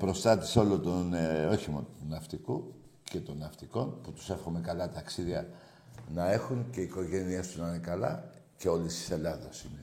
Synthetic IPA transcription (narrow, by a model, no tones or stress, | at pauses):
pɾo̞st̪ɐt̪i̥seo̞lot̪onoçimo̰nunɐft̪iku | ce̞t̪o̞nɐft̪iko̞nput̪u̥se̞fxome̞kɐlɐt̪ɐksiðiɐ | nɐe̞xunce̞iko̞ʝe̞nie̞st̪uznɐnekɐlɐ̰ce̞o̞list̪i̥se̞lɐðɐsine